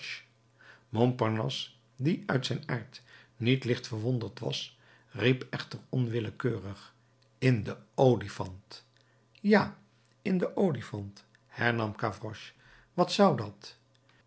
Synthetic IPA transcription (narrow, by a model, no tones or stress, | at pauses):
mɔmpɑɹnɔ̰s | diœɥtsɛjnaːɹtnitlɪχtfəɹʋondəɹtʋɑ̰s | ripɛχtərɔnʋɪləkøːrəχ | ɪndəowlifɑnt | jaː | ɪndəʔowlifɑnt | hɛɹnɑmkavrɔʃ | ʋɑtsʌwdɑt